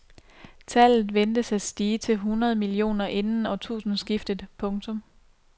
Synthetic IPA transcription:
t͡sʰæl̰ð̞̩ˠʋend̥əsæsd̥iːt͡sʰe̝lɦunʁɐð̞̩ˠəmilio̝̰ːnɐʔe̝nn̩ɒ̽t͡sʰṵːsn̩sɡ̥ifd̥əð̩ˠpʰɔ̽ŋt͡sʰɔ̽m

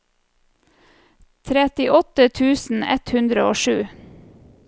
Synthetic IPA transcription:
t̪ʰɾɛt̪ɪʔɔt̪ət̪ʰʉːsn̩ɛ̰t̪hʉnd̪ɾəoːʃʉː

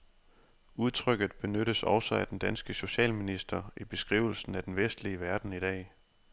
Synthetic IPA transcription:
uð̞ˠt͡sʰʁœɡ̥ð̩ˠb̥e̝nøɾəsɒ̽ʊsɒæd̥end̥ænsɡ̥əso̝ɕɛ̰ːlminisd̥ɐʔib̥e̝sɡ̥ʁḭːʊl̩sn̩æd̥enʋesd̥liəʋæɐd̥n̩iɾ̥ɛ̰ː

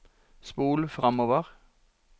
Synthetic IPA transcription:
spuːlfʁɑmoːʋəʁ

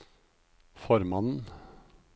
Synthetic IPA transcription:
fɔɾmɑnn̩

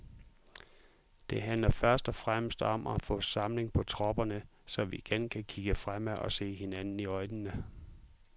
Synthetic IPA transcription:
d̥e̝ɦænlɐfɶɐsd̥ɒ̽fʁaməsd̥ɒ̽mʔɒfɔ̰̽ːsɑ̈mle̝ŋpʰɒ̽t͡sʰʁɒ̽b̥ɐnə | sɒ̽ʋiiɡ̥enkʰækʰiɡ̥əfʁam̰æʔɒ̽se̝̰ːɦe̝nænn̩iɒ̽ɪnənə

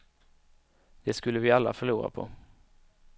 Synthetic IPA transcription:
d̪̥ɛskɵlːəvɪalːafœɭuːɾa̰pʰɔ̰

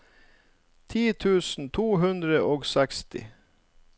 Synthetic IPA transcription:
t̪ʰiːt̪ʰʉːsn̩t̪ʰuːɦʉnd̪ɾəʔoːɡsɛkst̪ɪ̰

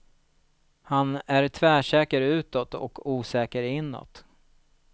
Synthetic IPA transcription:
hanæɾt̪ʰvæːʂɛːkəɾʉ̟ːt̪ɔt̪ɔ̰kʰuːsɛːkəɾɪnːɔ̰t̪

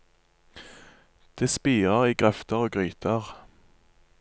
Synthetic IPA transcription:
d̪̥eːspiːʁəʁiːɡʁɛft̪əʁoːɡʁyːt̪ʰəʁ

